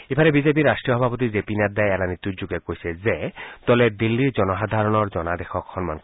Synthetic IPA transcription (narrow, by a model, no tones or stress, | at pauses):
epʰaɾebizep̬iɾːasʈɾijɔɦɔbʱapɔt̪izepinad̪aeɛlanit̪juɾd͡ʒuɡekoɦjsezet̪ɔled̪ilːiɾd͡ʒɔnɔɦad̪ʱaɾɔnɔɾd͡ʒɔnad̪exɔkxɔnmankɔ